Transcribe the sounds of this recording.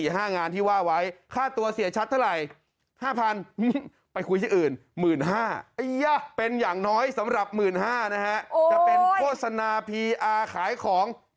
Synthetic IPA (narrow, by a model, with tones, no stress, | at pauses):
i˨˩ɦaː˥˩ŋaː˧nt̪ʰiː˥˩waː˥˩wa˦˥jkʰaː˥˩t̪u˧ɐsi˨˩˦ət͡ɕʰa˦˥t̪ʰːa˥˩ɾa˨˩j | haː˥˩pʰa˧nʔɯ˥˩ | pa˧jkʰu˧jt̪ʰiː˥˩ʔɯː˨˩nmɯː˨˩nɦaː˥˩ʔɯ˧ja˧˩pe˧njaː˨˩ŋnɔː˦˥jsa˩˦mɾa˨˩p̚mɯː˨˩nɦaː˥˩na˦˥kʰa˦˥ʔt͡ɕa˨˩pe˧nkʰoː˥˩t̪̚sa˧naː˧pʰiː˧ʔaː˧kʰaː˨˩˦jkʰɔː˩˦ŋ